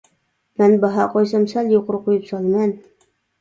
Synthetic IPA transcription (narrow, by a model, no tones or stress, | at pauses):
mænbɑɦɑqɒjsɑmsæljuqɾqujɤpsɑlˠmɑn